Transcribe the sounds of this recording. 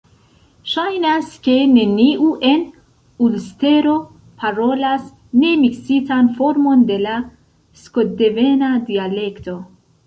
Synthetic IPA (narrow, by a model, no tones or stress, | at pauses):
ʃajnaske̞ne̞niuʔe̞n | ulst̪e̞ɾo | pʰaɾo̞las | ne̞miksitanfo̞ɾmo̞nd̪e̞la | skod̪evenad̪ialekto̞